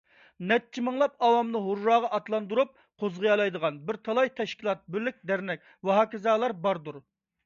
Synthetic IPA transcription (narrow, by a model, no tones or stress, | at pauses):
nɛt̚t͡ʃʰːimɨŋlˠɑpɑwɑmnɨɦuɾːɑːʁɑʔɑt̪lˠɑnd̪uɾup̚ | qʰozʁɑjɑlˠɑjd̪əʁɑnbɪɾt̪ʰɑlˠɑjt̪ʰɛʃkʲilˠɑt̪̚bɪɾlɪk̚ʲd̪æɾnɛk̚ʲ | wɑɦɑːkʲɪzɑːlˠɑɾbɑɾd̪uɾ